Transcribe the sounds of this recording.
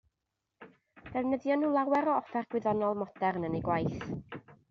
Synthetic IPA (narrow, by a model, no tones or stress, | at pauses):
d̥ɛvnəðjɔnulˠawɛɾɔɔfɛrɡ̥wɪðɔnɔlˠmɔd̥ɛrnəneɡwajθ